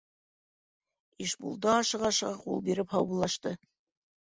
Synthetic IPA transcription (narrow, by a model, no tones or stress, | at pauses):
iʃbṵlˠd̪ɑːʃɤ̆ʁɑʃɤ̆ʁɑqṵlˠbiɾɘphɑwɤlˠːɑʃt̪ɤ